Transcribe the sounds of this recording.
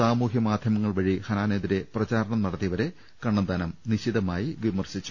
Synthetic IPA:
saːmuːɦjɐmaːd̪ʱjɐmɐŋːɐɭʋɐɻihɐnaːneːd̪iɾe̞prɐt͡ɕaːɾɐɳɐmnɐɽɐt̪ːiɐʋɐɾe̞ | kɐɳːɐnd̪aːnɐmniɕid̪ɐmaːjiʋimɐrɕit͡ɕːu̥

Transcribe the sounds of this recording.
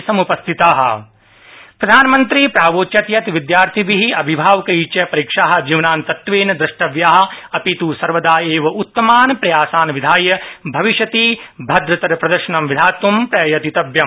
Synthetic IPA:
sɐmupɐst̪ʰit̪aːɦɐ̰̆ | pɾɐd̪ʱaːnɐmɐnt̪ɾipɾaːʋoːtt͡ʃɐt̪jɐt̪ʋid̪jaːɾt̪ʰiʋiɦiɐbʱibʱaːʋkɐiːt͡ʃɐpɐɾiːkʂaːɦɐ̆d͡ʒiːʋɐnaːnt̪ɐt̪ʋeːnɐd̪ɾɐʂʈɐʋjaːɦɐ̆ɐpit̪uːsɐɾʋɐd̪aːeːʋɐʔut̪ːɐmaːnpɾɐjaːsaːnʋid̪ʱaːjɐbʱɐʋiʃɐt̪iːbʱɐd̪ɾɐt̪ɐɾɐpɾɐd̪ɐɾʃɐnɐmʋid̪ʱaːt̪ʋumpɾɐjɐjɐt̪it̪ɐbjɐm

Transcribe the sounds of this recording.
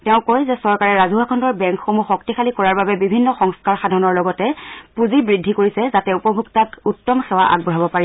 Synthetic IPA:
tɛʊ̃kojzɛsɔɹkaɹɛɹazuɦakʰɔndɔɹbɛŋkxomuxɔktixʰalikɔɹaɹbabɛbibʱinːɔxɔŋskaɹxadʱɔnɔɹlɔɡɔtɛpuzibɹidʱːikoɹisɛzatɛupɔbʱuktakutːɔmxɛwaʔa̰ɡ̚bɔɦabɔpaɹi

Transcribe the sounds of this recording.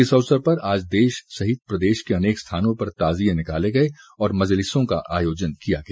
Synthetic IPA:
ɪsɐʋsəɾpɐɾaːd͡ʒd̪eːʃsɐɦɪt̪̚pɾɐd̪eːʃkeɐneːkst̪ʰaːnõpɐɾt̪aːzijẽnɪkaːleɡɐe | ɔːɾmɐzlɪsõka̰ʔa̰ːjoːd͡ʒənkijaɡɐeː

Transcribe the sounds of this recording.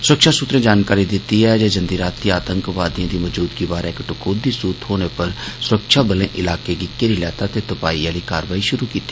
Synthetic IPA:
sʊɾəkʃaːsʊt̪ɾẽːd͡ʒaːnkaːɾiːd̪ɪt̪ːiːɛːd͡ʒeːd͡ʒənd̪iːɾaːt̪ːiːaːt̪əŋkʋaːd̪ijãːd̪iːməd͡ʒuːd̪ɡiːbaːɾɪkʈʊkʰoːd̪iːsuːt̪ɦoːneːpəɾsʊɾəkʃaːbəlẽːʔɪlaːkeːɡɪkːeːɾiːlɛːt̪aːt̪eːt̪ʊpaːiːãːliːka̰ːɾʋaːiːʃʊɾuːkiːt̪ːi̥

